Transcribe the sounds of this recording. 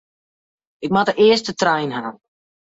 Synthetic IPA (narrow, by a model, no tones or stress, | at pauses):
ɪk̚matəʔɪəstətrɛjnɦa